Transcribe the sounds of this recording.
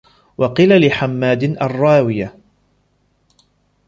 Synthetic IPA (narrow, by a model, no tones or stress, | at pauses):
wɑqilalɪħamːaːd̪ɪnʔɑrˤːɑːwɪja